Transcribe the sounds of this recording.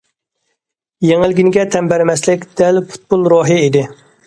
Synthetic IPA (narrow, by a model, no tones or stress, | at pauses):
jeŋɪlɡʲinɪɡʲɛt̪ʰɛmbɛɾmɛslɪkʲd̪̥ɛlpʰu̥t̪̚bulˠɾoɦɨid̪ɪ